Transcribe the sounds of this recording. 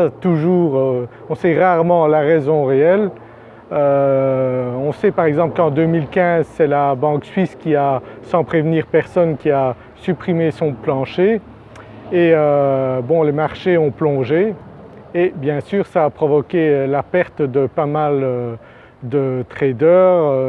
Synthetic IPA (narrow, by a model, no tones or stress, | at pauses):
at̪uʒuːʁø | ɔ̃sɛʁaʁmɑ̃laʁɛzɔ̃ʁeɛl | ø | ɔ̃sɛpaʁɛɡzɑ̃plkɑ̃d̪ømilkʲɛ̃zsɛlabɑ̃ksɥiskʲiasɑ̃pχevniːʁpɛʁsɔnkʲia | sypχimesɔ̃plɑ̃ʃe | eøbɔ̃lemaʁʃeɔ̃plɔ̃ʒeː | bjɛ̃syːʁsaːpχɔvɔkʲelapɛʁt̪d̪əpamalø | d̪ət̪χed̪œːʁø